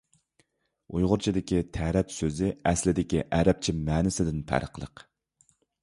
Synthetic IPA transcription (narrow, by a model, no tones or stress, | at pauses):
ujʁʊɾt͡ʃʰid̪ɪkʲit̪ʰæɾɛt̪søzɪɛslɪd̪ɪkʲiʔɛɾɛp̚t͡ʃʰimɛːnɪsɪd̪ɪnpʰæ̰ɾəqlˠə̰q